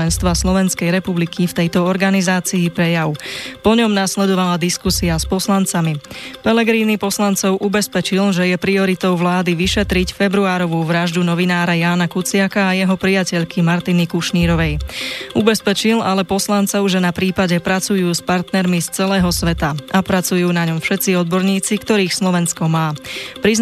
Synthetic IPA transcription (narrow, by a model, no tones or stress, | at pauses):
ɛnst̪ʋaslɔʋɛnskɛjɾɛpublikʰift̪ɛjt̪ɔɔɾɡanizaːt͡siːpɾɛjaʊpɔɲɔmnaslɛd̪ɔʋalad̪iskusiaspɔslant͡samipɛlɛɡɾiːnipɔslant͡sɔʊʔubɛspɛt͡ʃilʒɛjɛpɾiɔɾit̪ɔʊʋlaːd̪iʋiʃɛt̪ɾicfɛbɾuaːɾɔʋuːʋɾaʒd̪unɔʋinaːɾajaːnakut͡sɪakaːjɛɦɔpɾijacɛʎkʰimaɾt̪inikuʃɲiːɾɔʋɛjubɛspɛt͡ʃilalɛpɔslant͡sɔʊʒɛnapɾiːpaɟɛpɾat͡sujuːspaɾt̪nɛɾmist͡sɛlɛːɦɔsʋɛt̪aapɾat͡sujuːnaɲɔmfʃɛt̪t͡siɔd̪bɔɾɲiːt͡sikt̪ɔɾiːxslɔʋɛnskɔmaːpɾiz